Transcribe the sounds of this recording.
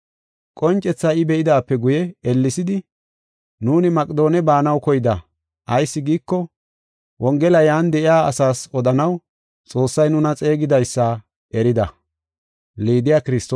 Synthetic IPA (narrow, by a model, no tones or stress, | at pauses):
kʼɔnt͡ʃʼːɛt͡sːaːɪbɛʔɪd̪aːpːɛɡʊjɛɛlːɪsɪd̪ɪ | nuːnɪmɐkʼɪd̪o̞ːnɛbaːnɐwkɔjɪd̪ɐ | ʔɐjsːɪɡiːkːɔ | wɔŋɡɛlɐjaːnd̪ɛʔɪjaːɐsaːsɔd̪ɐnɐw | t͡sʼo̞ːsːɐjnʊnɐt͡sʼe̞ːɡɪd̪ɐjsːɐ | ʔɛɾɪd̪ɐ | liːd̪ɪjaːkɪɾɪst̪